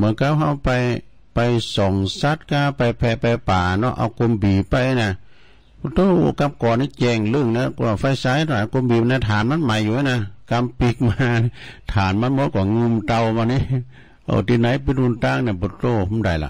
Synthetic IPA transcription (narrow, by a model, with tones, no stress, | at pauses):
mɯ˨˦ka˧w̚ha˧wpa˧j | pa˧˨jsɔ˨˩ŋsa˧˦t̪̚kaː˧pa˧˩jpʰɛː˧˩pɛ˧paː˨˩nɔ˧˨ʔa̰˧wko˧˨mbiː˨˩pa˧jna˧˩ | bt̪o˧˥˨ka˧mkɔː˨˩ni˧˨t͡ɕɛː˧˩ŋlɯ˧˨ŋna˧˨ka˧˩fa˧˨jsa˧˥jnɔ˧˩˨a˧ko˧˨mbiː˨pna˧˩t̪ʰaː˨˦˨nma˧˥˨nma˨˦jːuː˧˨˧na˧˨ka˧mpi˧k̚maː˧t̪ʰaː˨˩nma˧˥˨nmo˧˦kɔ˨˧˩ŋu˧˨mt̪a˧wmaː˧˨ni˧˥˨ | ha̰˧˩t̪i˧˨na˨˥˦jpe˧nɾu˧˨nt̪aː˧˨ŋna˧˨bo˧t̪oː˧˩˧ho˧˨mda˨˩jla̰˧˨